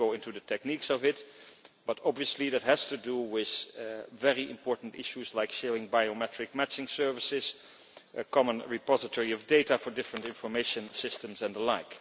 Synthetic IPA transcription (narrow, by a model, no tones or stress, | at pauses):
oʊɪ̃ntuðətʰɛk̚niksɔvɪtb̥ʌtɑbviəsliðɨt̚ɦɨz̥tudulˠwɪð̥vɛɹiʔɪ̰̃mpʰɔɹtn̩tɪ̰ʃuzlaɪkʃɛɹɪ̃ŋbajomɛtɹ̥ɪk̚mæt͡ʃɪ̃ŋsɜ˞vɨsɪz̥ | ʔəkʰɑmə̃nɹɪpɑzɨtʰɔɹiɔvdeɪtafə˞dɪfɹə̃ntɪ̃ɱfə˞meɪʃɨ̃nsɪstə̃mzɛ̃ndəlaɪk